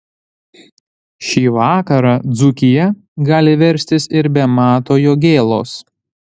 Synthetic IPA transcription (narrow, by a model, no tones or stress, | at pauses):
ʃʲiːʋɑːkɐɾɑːd̪zʊkʲɪjɛ | ɡɑːlʲɪʋʲɛɾʲsʲt̪ʲɪsɪɾbʲɛmɑːt̪oːjoːɡʲeːlˠo̰ːs